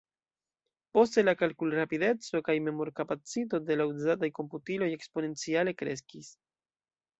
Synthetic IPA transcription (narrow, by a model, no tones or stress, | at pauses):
po̞ste̞lakalkulɾapide̞t͡so̞kajme̞mo̞ɾkapat͡sit̬o̞d̪e̞lauzatajko̞mputilo̞je̞kspo̞ne̞nt͡siale̞kɾe̞s̬kis